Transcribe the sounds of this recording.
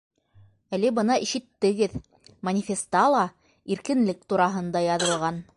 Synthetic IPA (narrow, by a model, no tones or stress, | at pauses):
ælɘbɤ̆nɑiʃɘ̆t̪ːɘ̆ɡɘð | mɐnʲɪfʲest̪ɑlˠɑ | iɾkɘ̆nlɘk̚t̪uɾɑɦɤ̆nd̪ɑjɑðɤ̆lˠʁɑn